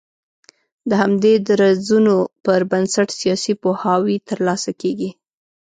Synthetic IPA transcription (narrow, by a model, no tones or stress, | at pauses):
d̪əhamd̪ed̪ɾazunopəɾbansaʈsijɑsipohɑwit̪əɾlɑsakeɡi